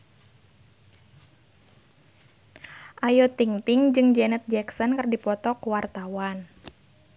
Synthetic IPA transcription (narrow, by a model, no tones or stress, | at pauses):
ʔajɔt̪iŋt̪iŋd͡ʒɨŋd͡ʒɛnɛt̪̚d͡ʒɛksɔnkərdipɔt̪ɔkuwart̪awan